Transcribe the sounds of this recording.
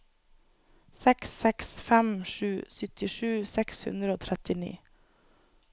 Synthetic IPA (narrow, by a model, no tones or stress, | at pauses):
sɛksɛksfɛmʃʉːsʏt̪ɪʃʉːsɛkshʉ̰nd̪ɾəoːt̪ʰɾɛt̪ɪnḭː